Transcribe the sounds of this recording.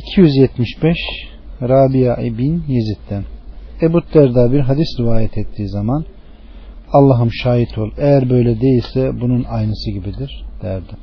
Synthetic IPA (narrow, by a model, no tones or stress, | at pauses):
icʰijyzjɛt̪miʃbɛʃ | ɾaːbijaːʔibinjezit̪ʰːænebut̪̚d̪ɛɾd̪aːbiɾɦad̪isɾivaːjɛt̪ʰɛt̪ʰːiːzaman | alˠːaɦɯmʃaːjit̪ʰo̞lˠejæɾbø̞jlʲɛd̪e̞jilʲsɛbununajnɯsɯɟibid̪iɾ̥d̪̥æɾd̪ɪ